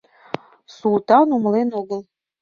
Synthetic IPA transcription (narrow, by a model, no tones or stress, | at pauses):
sulˠt̪ɑnumlˠenoɡəlˠ